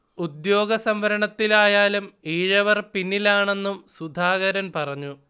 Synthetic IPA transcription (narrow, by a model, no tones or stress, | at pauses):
ud̪joːɡɐsɐmʋɐɾɐɳɐt̪ːilaːjaːlumiːɻɐʋɐrpinːilaːɳe̞nːumsud̪ʱaːɣɐɾɐnpɐrɐɲːu